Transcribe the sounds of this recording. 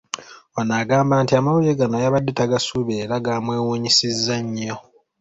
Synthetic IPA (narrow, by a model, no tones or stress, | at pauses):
onaɡaːmbaːntiamawujeɡanajaβadːetaɡasuβeːɾaɡaːmwe̞ːwuɲisizːaɲːo